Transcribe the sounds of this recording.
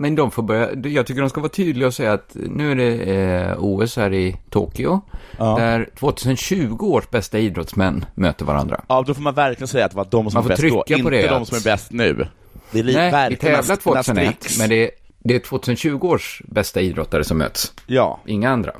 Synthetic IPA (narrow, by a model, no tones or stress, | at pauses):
mɛnd̪ɔmfoːɾbœɾja̰jɑːɡ̚t̪ʏkːəɖɔmskavɑːt̪ʰyːd̪lɪɡaɔsɛjːaːt̪nʉ̟ːæɖɛ | uːɛshæːɾɪt̪ʰo̰ːkʏʊd̪æɾt̪ʰv̥oːt̪ʰʉːs̬ənɕʉ̟ːɡʊoːʂbɛst̪aiːd̪ɾɔt̪smɛnːmø̰ːt̪əɾva̰ɾa̰nd̪ɾa̰ɑd̪ɔfoːɾmanvæɾklɪɡənsɛjat̪d̪ɛvad̪ɔmsɔmanfot̪ʰɾʏkːanpɔd̪ɛd̪ɔmsɔmæɾbɛst̪nʉ̟̰ː | d̪ɛlnɛæɪt̪ʰɛvlat̪ʰvoːt̪ʉːsənt̪ːmɛnd̪ɛ | d̪ɛæʈʰv̥oːt̪ʰʉsənɕʉ̟ːɡʊoːʂbɛst̪aiːd̪ɾɔt̪ːaɾəsɔmːø̰ːt̪sjɑ̰ːʔɪŋːaand̪ɾa̰